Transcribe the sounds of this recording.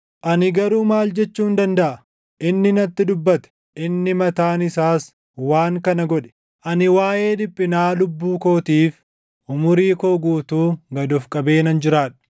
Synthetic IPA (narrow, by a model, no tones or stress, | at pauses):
ʔɐnɪɡɐɾuːmaːld͡ʒɛt͡ʃːuːnd̪ɐnd̪ɐʔɐ | ʔɪnːɪnɐt̪ːɪd̪ʊbːɐt̪ɛ̥ | ʔɪnːɪmɐt̪aːnɪsaːs | waːŋkɐnɐɡɔᶑɛ̥ | ʔɐnɪwaːʔe̞ːd̪ɪpʼːɪnaːlʊbːuːko̞ːt̪iːf | ʔʊmʊɾiːkoːɡuːt̪uːɡɐd̪ɔfkʼɐbe̞ːnɐnd͡ʒɪɾaːᶑ̥